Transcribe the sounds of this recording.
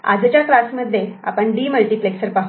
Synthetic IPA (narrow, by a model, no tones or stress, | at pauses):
a̰d͡zt͡ɕjakɾasməd̪ʱːjea̰pəɳɖiːməlʈiːpleksəɾpaɦ